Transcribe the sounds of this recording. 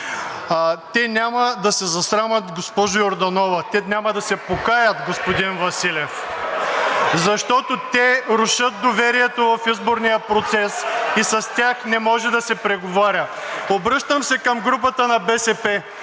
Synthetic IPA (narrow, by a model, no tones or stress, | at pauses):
t̪ɛnʲamɐd̪ɐsɛzɐsɾamɐt̪ɡospɔʒʊjoɾd̪ɐnɔvɐt̪ɛnʲamɐd̪ɐsɛpokajət̪ɡospod̪invɐsilʲɛf | zɐʃt̪ɔt̪ot̪ɛɾʊʃɤt̪̚d̪ovɛɾiɛt̪ovɐfizboɾnijəpɾot̪sɛsisɐst̪ʲaxnɛmɔʒɛd̪ɐsɛpɾɛɡovaɾʲə | obɾɤʃt̪əmsɛkɐmɡɾup̬ət̪ənɐbɛsɛpɛ